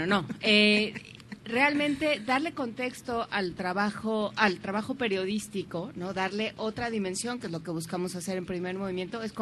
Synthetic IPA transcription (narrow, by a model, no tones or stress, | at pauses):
ono̞e | realmẽnt̪e̞ðaɾle̞ko̞nt̪e̞kst̪o̞ʔalt̪ɾaβaxoʔalt̪ɾaβ̞axo̞pe̞ɾjo̞ðist̪iko̞no̞ðaɾle̞ʔo̞t̪ɾaðimẽ̞nsjo̞ŋkeezlo̞ke̞βuskamo̞sase̞ɾe̞mpɾime̞ɾmo̞β̞imje̞nt̪o̞e̞sko